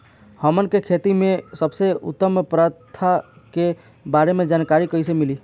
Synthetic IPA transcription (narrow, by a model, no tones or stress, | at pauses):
həmənkekʰet̪imẽsəbseʊ̰t̪ːəmpɾət̪ʰːake | baːɾemẽd͡ʒaːnkaɾikəisemili